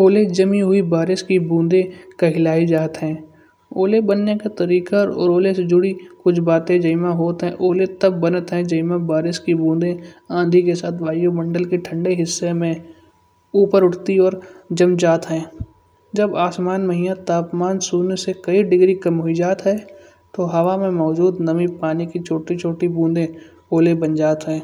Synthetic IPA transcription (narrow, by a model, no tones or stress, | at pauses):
oːled͡ʒəmĩɦʊibaːɾɪskibũːnd̪ẽkɐɦɪlaːid͡ʒaːt̪ɦɛ̃ː | oːlebənːekat̪ɐɾiːkaɔ̰ːɾoːlesed͡ʒʊɽikʊt͡ʃʰbaːt̪ẽd͡ʒəɪmãɦoːt̪ɦɛ̃ʔoːlet̪ɐbːənət̪ɦɛ̃d͡ʒəɪmãbaːɾɪskibũːnd̪ẽãːd̪ʱikesaːt̪ʰʋaːjomɐ̃ɳɖəlkiʈʰə̃ɳɖeɦɪsːemẽ | uːpəɾʊʈʰt̪iɔːɾd͡ʒɐmd͡ʒaːt̪ɦɛ̃ː | d͡ʒɐbaːsmaːnməɦiːat̪aːpmaːnsuːnsekɐiɖɪɡɾikɐmɦʊid͡ʒaːt̪ɦɛː | t̪oɦɐʋamẽmɔːd͡ʒuːd̪nɐmĩpaːnikit͡ʃʰoːʈit͡ʃʰoːʈibũːnd̪ẽ | oːlebɐ̃nd͡ʒaːt̪ɦɛ̃ː